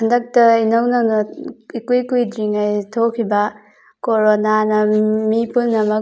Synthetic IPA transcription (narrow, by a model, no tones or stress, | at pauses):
ɐndɐk̚tɐinownɐnɐikujkujdɾiŋajtʰokʰːibɐ | koɾonanɐmipulnɐmɐk